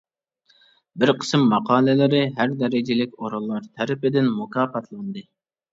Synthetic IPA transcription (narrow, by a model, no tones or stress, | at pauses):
bɪɾqʰə̥smːɑqʰɑːlˠɪlɪɾɪɦæɾd̪ɛɾɪd͡ʒɪlɪkʲoɾɑlˠːɑɾt̪ʰɛɾɪpɪd̪ɪnmʊkʰɑːfɑt̪ʰlˠɑnd̪ɨ